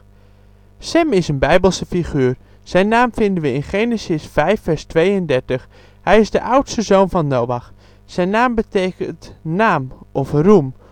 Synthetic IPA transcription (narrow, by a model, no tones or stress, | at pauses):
sɛmɪsənbɛjbəlˠsəfiχyːɹ | z̥ɛjnaːmfɪndənʋəɪnχeːnəsəsfɛjfːɛɹstʋejəndɛɹtəχ | hɛjɪzdəʔawtstəzoːnvɑnːowʋax | sɛjnaːmbətejkəntnaːmʔɔfrum